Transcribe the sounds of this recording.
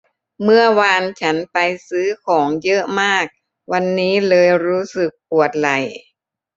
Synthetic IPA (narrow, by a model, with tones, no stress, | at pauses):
mɯ˥˩ɐwaː˧nt͡ɕʰa˦˥npa˧jsɯː˦˥kʰɔː˩˦ŋjɤ˦˥ʔmaː˥˩k̚ | wa˧nːiː˦˥lɤː˧jɾuː˦˥sɯ˨˩k̚pu˨˩ət̪̚la˨˩j